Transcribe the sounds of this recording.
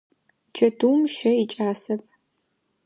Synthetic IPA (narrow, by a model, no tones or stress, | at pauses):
t͡ʃʰɐduːmʃɐit͡ʃʼaːsɐpʰ